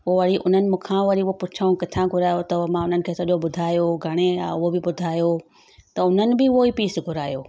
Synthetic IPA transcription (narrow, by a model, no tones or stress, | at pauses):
ʊoʋɐɽiʔʊ̰n̤ənɪ̆mũːkʰãʋɐɽiɦopʊt͡ʃʰaːũkɪt̪ʰãɡʱʊɾaːjot̪ɐmãʊnənɪ̆kʰeːsɐɗjoɓʊd̪ʱaːjoɡʱɐɽ̃ẽʊɦobɪbʊd̪ʱaːjo | t̪ɐʊn̤ənɪ̆bɪʋoipiːsɡʱʊɾaːjoː